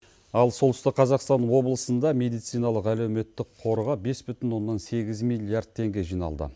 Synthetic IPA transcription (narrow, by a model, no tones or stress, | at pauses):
ɑlˠso̞lˠt̪ʰʏst̪ɪk̚qʰɑzɑqst̪ɑnwo̞blˠəsənd̪ɑme̞d̪ijt̪sijnɑlˠəqælewme̞t̪ːɪqʰo̞ɾʁɑbe̞sbʏt̪ɪnwo̞nːɑnse̞ɡʲɪzmijlʲˠijard̪̥̚t̪ʰːe̞ŋɡʲe̞ʒijnɑ̰lˠd̪ə̰